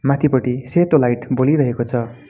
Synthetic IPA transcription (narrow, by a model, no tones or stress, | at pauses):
mat̪ʰipʌʈiset̪olajʈboliɾʌɦekot͡sʰʌ